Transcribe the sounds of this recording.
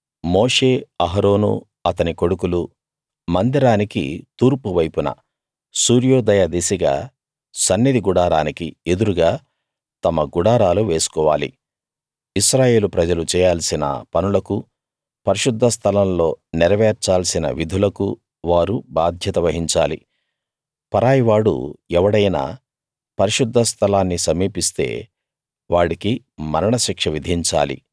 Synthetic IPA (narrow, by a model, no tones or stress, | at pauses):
moːʂe̞ːɐɦɐɾo̞ːnṵ | ɐt̪ɐniko̞ɽukulu | mɐnd̪iɾaːnikḭt̪uːɾpuʋɐjpunɐ̰ | suːɾjoːd̪ɐjɐd̪isiɡa̰ː | sɐnːid̪iɡuɽaːɾaːnikie̞d̪uɾuɡaː | t̪ɐmɐɡuɽaːɾaːluʋe̞ːsu̥kɔːʋa̰ːlḭ | isɾaːje̞ːlupɾɐd͡ʒɐlut͡ʃɛːjaːlsinɐ̰pɐnulɐku | pɐɾiʃud̪ʱːɐst̪ʰɐlɐmlo̞ːnɛɾɐʋeːɾt͡ʃaːlsinɐ̰ʋid̪ʱulɐku | ʋaːɾubaːd̪ʱjɐt̪ɐʋɐɦiɲt͡ʃaːlḭ | pɐɾaːjiʋaːɽṵɛʋɐɽɐjna̰ː | pɐɾiʃud̪ʱːɐst̪ʰɐlaːnːisɐmiːpist̪e̞̰ː | ʋaːɽiki | mɐɾɐɳɐʃikʂɐʋid̪ʱiɲt͡ʃa̰ːlḭ